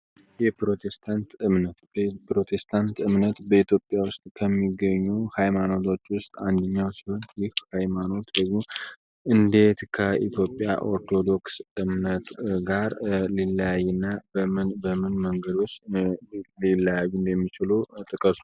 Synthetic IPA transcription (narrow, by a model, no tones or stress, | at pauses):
jɛpɾo̞t̪ʰest̪ʰant̪ɨmnət̪pɾo̞t̪ʰe̞st̪ʰant̪ɨmnət̪bəit̪ʰjo̞pʼjawʊst̪ʼkʰəmːiɡːəɲːuhajmano̞t̪ʰo̞t͡ʃːwʊst̪ʼand̪əɲːawsihont̪jɪhhajmano̞t̪d̪əɡmo̞ | ʔɨnd̪e̞t̪kʰəʔḭt̪ʰjo̞pʼːja̰ʔo̞ɾt̪ʰo̞d̪o̞ksɨmnət̪ɡaɾliləjajːɛnːabəmɨnməŋɡəd̪o̞t͡ʃː | lilːajajund̪ɛmːit͡ʃɪlut̪ʼɨkʼəsu̥